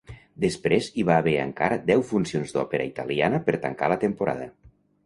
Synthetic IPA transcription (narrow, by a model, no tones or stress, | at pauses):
d̪espɾeziβaːβeɾə̰ŋkaɾəd̪ɛwfunsionzd̪ɔpeɾəit̪əlianəpəɾt̪ə̰ŋkalət̪əmpuɾa̰ðə